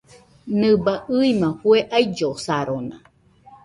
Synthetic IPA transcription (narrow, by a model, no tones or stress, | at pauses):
nɨbaʔɨimãhueʔajd͡ʒosaɾonã̰